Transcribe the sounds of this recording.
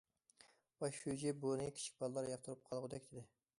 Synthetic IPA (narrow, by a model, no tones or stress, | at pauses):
bɑʃud͡ʒɛbonɨkʲʰi̥t͡ʃʰi̥k̚ʲbɑlˠlˠɑɾjɑq̚t̪ʰɨɾɨp̚qʰɑlˠʁʊd̪ɛkʲd̪ɪd̪ɪ